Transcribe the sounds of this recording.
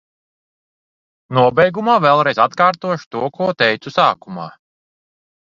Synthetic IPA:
nuɔbɛjɡumaːvɛlˠɾɛjzat̪kaːɾt̪uɔʃu̥t̪uɔkuɔt̪ɛjt̪susaːkuma̰ː

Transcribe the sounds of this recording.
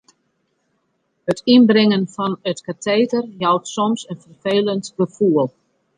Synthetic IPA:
hətinbrɪŋənfɔnətkatʰeːdərjɔwtsɔmsənfərfeːləntɡ̥əfuəlˠ

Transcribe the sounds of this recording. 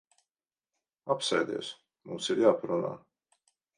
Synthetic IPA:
apsɛjd̪ḭɛs | mumsiɾjaːpaɾuna̰ː

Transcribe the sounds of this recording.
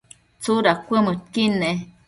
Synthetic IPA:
t͡suɾakʷəmɨt̪̚kine

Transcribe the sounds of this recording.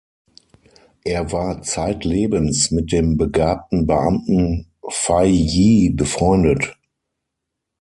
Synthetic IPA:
ʔeːɐvaːɐt͡saɪtleːbənsmɪt̚d̥eːmbəɡaːp̚tn̩bəʔamtn̩ | faɪjiːbəfʁ̥ɔʏndət

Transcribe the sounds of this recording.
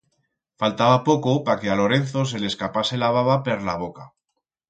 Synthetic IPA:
falt̪aβapo̞ko̞pake̞alo̞ɾe̞n̟θo̞s̬e̞le̞skapase̞laβaβapeɾlaβ̞o̞ka

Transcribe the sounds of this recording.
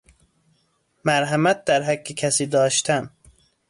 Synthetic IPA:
mæɾɦæmæt̪̚d̪æɾɦækːekʰæsiːd̪ɒːʃt̪ʰæn

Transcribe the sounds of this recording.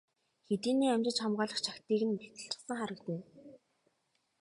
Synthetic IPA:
xet̪iːniːæmʲt͡ɕɪ̆t͡ɕχamɢaːɮə̆χt͡ɕʰakt̪iːɣɘ̆npi̥t̪ɘ̆ɬt͡ɕ̪ə̥̆sə̆ŋχaɾə̆kt̪ɘ̆n

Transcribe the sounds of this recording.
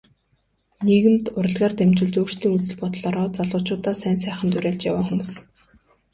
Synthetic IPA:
neɣɘ̆mt̪ʊɾə̆ɮʁaːrt̪emt͡ɕʊːɮt͡ɕoːr̥t̪ʰiːŋut͡sɘ̆ɮpɔt̪ɮɔːɾɔːt͡saɮʊːt͡ɕʊːt̪aːsæːnsæːχə̆nt̪uɾʲæːɮt͡ɕjawaːŋxumuːs

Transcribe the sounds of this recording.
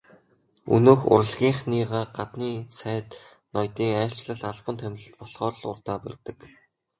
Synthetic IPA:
ɵ̰noːxʊ̰ɾə̆ɮɣʲiːɴχniːʁaːɢat̪niːsæːt̪ | nɔjt̪iːŋæːɬt͡ɕɮə̆ɮaɮpə̆nt̪ʰæmʲɮɘ̆ɬt̪̚pɔɮχɔːrɮʊrt̪aːpæ̰rʲt̪ə̆k

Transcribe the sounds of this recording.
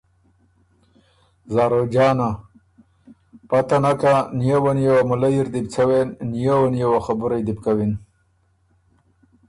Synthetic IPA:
zaːɾod͡ʒɑːna | pat̪anakanijawanjawamʊlajiɾd̪ɪb̚t͡sʰawenːijawanjawaxabʊɾajd̪ɪbkawin

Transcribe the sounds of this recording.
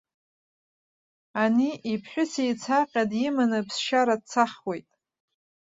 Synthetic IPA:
aniipʰħʷᶣʊsejt͡sʰaqʲʼadimanɨpʰsʃaɾad̚t͡sʰaχwe̞jtʼ

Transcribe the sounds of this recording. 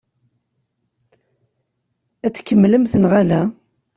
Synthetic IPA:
æt͡sːkːəmːləmθənʁalæ

